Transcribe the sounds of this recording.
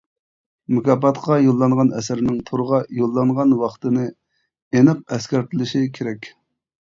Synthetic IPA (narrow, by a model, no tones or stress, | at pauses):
mukɑpɑt̪qɑjolˠːɑɴʁɑnɛ̰sɪɾnɪŋt̪ʰoɾəʁɑjolˠːɑŋʁɑnwɑχt̪ɨnɨ | enɨq̚ɛskʲɛɾt̪ʰɪlɪʃikʲʰeɾɛkʲ